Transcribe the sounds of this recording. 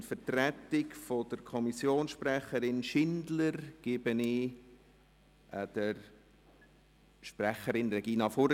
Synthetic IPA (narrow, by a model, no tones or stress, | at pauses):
nfətrɛtɪkfodəɾkʰɔmisjoːnsʃprɛχəɾɪnʃɪndləɾɡ̥ɪbənɪ | ʔd̥əɾ | ʃprɛχəɾɪnrɛɡ̥iːnɑfoɾ